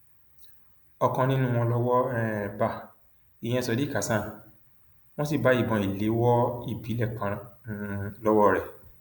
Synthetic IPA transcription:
ɔ˧kã˧nĩ˦nũ˦˧w̃ɔ̃˧lɔ˦wɔ˦ɛ˦˨ba˦˨ | i˨j̃ɛ̃˧sɔ˧di˦ka˨˦sã˦˨n | w̃ɔ̃˦si˦˨ba˨˦i˦˨bɔ̃˨i˨le˨˦wɔ˦i˦˨bi˨˦lɛ˦˨kã˧˦ | lɔ˦wɔ˦ɾɛ˦˨

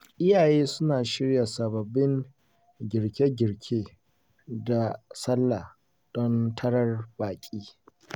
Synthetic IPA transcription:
ʔɪ˦jaː˨jeː˦sʊ˦naː˨ʃɪ˦ɽja˨sɐ˨bɐ˨bːɪ˦ŋ | ɡʲɪ˨ɽkʲe˦ɡʲɪ˨ɽkʲʰeː˦ | da˨sɐ˦lːa˨ | d̥ɔ˦ntʰɐ˦ɽɐ˦rbaː˨kʲʼiː˦

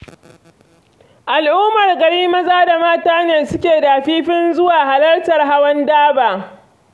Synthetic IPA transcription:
ʔa˨lʔuː˦mɐ˨rɡɐ˨ɽiː˦mɐ˦zaː˦da˨maː˦taː˦neː˨sʊ˦kʲeː˨daː˨ɸiː˦ɸɪ˦nzʊ˦waː˨ɦa˨lɐ˦rtɐ˨rɦa˦wɐ˦ndaː˦baː˨

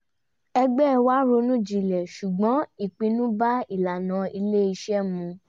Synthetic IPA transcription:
ɛ˧ɡ͡bɛ˦˧wa˦ɾo˧nũ˦d͡ʒi˧˨lɛ˨ʃu˨ɡ͡bɔ̃˨˦i˦˨k͡pĩ˧nũ˦ba˦i˦˨la˨nã˨˧i˧le˦i˧ʃɛ˦mũ˧

